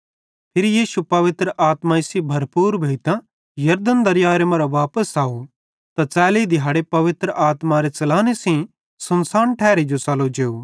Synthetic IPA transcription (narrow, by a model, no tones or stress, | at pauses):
pʰɪɾijiːsupɐʋɪt̪ɾəʔaːt̪maɪsibʱɐɾpuːɾbʱeːɪt̪ã | jɐɾd̪ənd̪ɐɾjaːɾemɐɾaʋaːpəsaːu | t̪at͡sɛːleid̪ʱɪjaːɽepɐʋɪt̪ɾəʔaːt̪maɾet͡ʃɐlaːnesĩ | sɐnsaːnʈʰɛːɾed͡ʒot͡sɐlod͡ʒeːu